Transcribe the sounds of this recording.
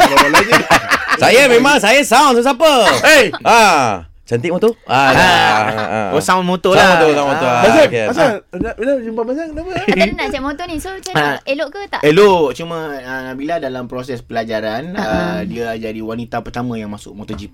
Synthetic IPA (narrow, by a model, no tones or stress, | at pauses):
la | sajəmẽmãŋsajəsawnsasapəea | t͡ʃant̪iʔmot̪oaa̰ | osawnmot̪olaoosamooabasaas̬anabilad͡ʒumpamas̬aŋkənaməanaʔsaʔmõt̪onisot͡ʃəaeloʔkət̪a̰ʔeloʔt͡ʃumə̃ənabiladalampɾosɛspəlad͡ʒaɾanədiəd͡ʒadiwanit̪apərt̪amə̃jaŋmasʊʔ̚mot̪od͡ʒip̚